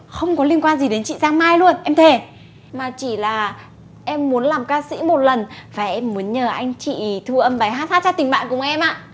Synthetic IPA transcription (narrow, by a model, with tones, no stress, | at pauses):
xə˧wŋ͡mkɔ˨˦li˧ənkwaː˧nzi˨˩ɗe˨˦nt͡ɕḭ˧˨zaː˧ŋmaː˧jlu˧ənʔɛ˧mt̪ʰe˨˩ | maː˨˩t͡ɕi˧˩laː˨˩ | ʔɛ˧mːu˨˦ənlaː˨˩mkaː˧sḭ˧˥mo˨˩t̚lə˨˩nvaː˨˩ʔɛ˧mːu˨˦ənɲəː˨˩ʔa˧jŋ̟t͡ɕḭ˧˨t̪ʰu˧˩ʔə˧mɓa˨˧˩jhɦaː˦˥t̪̚haː˦˥tt͡ɕaː˧˥t̪ï˨˩ŋ̟ɓa̰ː˧˨nkʊ˧˩˦ŋ͡mʔɛ˧mʔaː˧˨